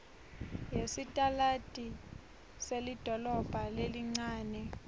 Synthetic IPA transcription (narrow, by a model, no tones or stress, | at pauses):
jesitʼalatʼi | selid̥ʱɔlɔb̥ʱaleliŋ͡ǀaːnɛ